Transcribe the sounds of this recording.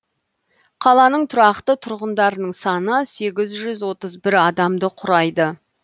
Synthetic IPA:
qʰɑlˠɑnəɴt̪ʰʊɾɑqt̪ət̪ʰʊɾʁənd̪ɑɾənəɴsɑnəse̞ɡʲɪzʒʏzwo̞t̪əzbɪɾɑd̪ɑmd̪əqʰʊɾɑjd̪ə

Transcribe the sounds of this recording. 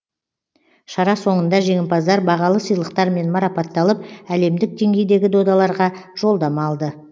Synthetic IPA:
ʃɑɾɑso̞ɴənd̪ɑʒe̞ŋɪmpɑzd̪ɑɾbɑʁɑlˠəsijlˠəqt̪ɑɾme̞nmɑɾɑpɑt̪ːɑlˠəp̚æle̞md̪ɪk̚d̪e̞ŋɡʲe̞jd̪e̞ɡʲɪd̪o̞d̪ɑlˠɑɾʁɑʒ̥o̞lˠd̪ɑmɑlˠd̪ə

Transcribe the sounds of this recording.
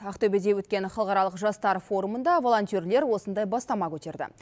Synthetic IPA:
ɑqt̪obe̞d̪e̞wɵt̪̚kʲe̞nχɑlˠqɑɾɑlˠəqʒɑst̪ɑɾfo̞ɾumənd̪ɑvo̞lˠo̞nt̪ʲijerle̞ɾwo̞sənd̪ɑjbɑst̪ɑmɑkʲʰɵt̪e̞ɾd̪ɪ̰

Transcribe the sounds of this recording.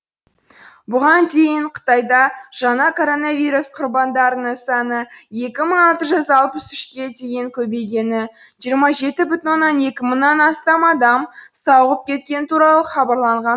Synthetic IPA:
bʊʁɑnd̪ʰe̞jɪɴqʰə̥t̪ɑjd̪ɑʒ̥ɑnɑkʰo̞ɾo̞nɑvijɾusqʰʊrbɑnd̪ɑɾənəɴsɑnəje̞kʲɪməɴɑlˠt̪əʒʏzɑlˠpəsʏʃkʲe̞d̪ʰe̞jɪŋkʲʰɵbe̞jɡʲe̞nɪ | ʒijəɾmɑʒe̞t̪ɪbʏt̪ɪnwonːɑne̞kʲɪməɴnːɑnɑst̪ɑmɑd̪ɑmsɑwʁəp̚kʲʰe̞t̪̚kʲe̞nɪt̪ʰuɾɑlˠəχɑbɑɾlˠɑɴʁɑn

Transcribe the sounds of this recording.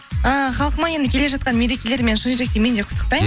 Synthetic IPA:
əχɑlˠəqəmɑne̞nd̪əkʲele̞ʒɑt̪̚qɑnme̞ɾe̞kʲe̞le̞ɾme̞nʃʊnʒɾe̞k̚t̪eme̞nd̪e̞qʰʊ̥t̪ʰːəqt̪ɑj

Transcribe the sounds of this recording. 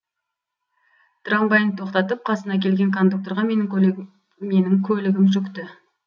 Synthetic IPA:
t̪ʰʊɾɑmbɑjənət̪ʰo̞qt̪ɑt̪əp̚qʰɑsənɑkʲʰe̞lɡʲe̞ŋkʰo̞nd̪uk̚t̪o̞ɾʁɑme̞nɪŋ | me̞nɪŋkʲʰɵlɪɡʲɪmʒʏkt̪ɪ

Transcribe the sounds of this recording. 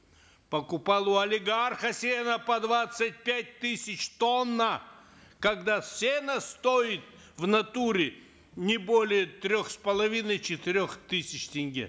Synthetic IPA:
pɐkʊpalˠʊɐlʲɪɡarxəsʲenəpɐd̪vat̪sɨt̚ʲpʲæt̚ʲt̪ɨsʲɪt͡ɕt̪onːə | kɐɡd̪asʲenəst̪oɪt̪̚ | vnɐt̪uɾʲɪ | nʲɪbolʲɪjət̪ɾʲoxspəlˠɐvʲinəjt͡ɕɪt̪ɪɾʲoxt̪ɨsʲɪt͡ɕtʲɪnʲɡʲḭ

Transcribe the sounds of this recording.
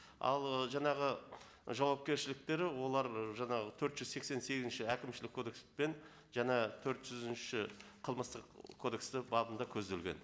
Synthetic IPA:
ɑ̰lˠəʒɑɴɑʁə | ʒɑwɑp̚kʲe̞ɾʃɪlɪk̚t̪e̞ɾɪwo̞lˠɑɾʒɑɴɑʁət̪ʰɵɾt̪ʒ̥ʏzse̞kse̞nse̞ɡʲɪzɪnʃɪækʲɪmʃɪlɪkʰːo̞d̪e̞kspe̞n | ʒɑnɑt̪ʰɵɾt̪ʒ̥ʏzɪnʃɪqʰəlˠməst̪əqkʰo̞d̪e̞kst̪ɪbɑbənd̪ɑkʲʰɵzd̪e̞lɡʲe̞̰n

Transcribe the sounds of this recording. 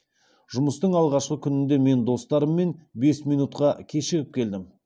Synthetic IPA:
ʒʊməst̪əɴɑlˠʁɑʃqəkʲʰʏnɪnd̪e̞me̞nd̪o̞st̪ɑɾəmːe̞nbe̞smijnut̪qɑkʲʰe̞ʃɪɾʲɪp̚kʲʰe̞ld̪ɪm

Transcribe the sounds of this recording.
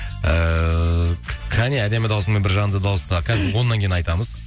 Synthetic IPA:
ə | kʲʰæneæd̪e̞mɪd̪ɑwsəme̞nbɪɾʒɑnənd̪əd̪ɑwəst̪ɑkʲʰæzɪɾwonːɑŋkʲej̪nɑjt̪ɑməz

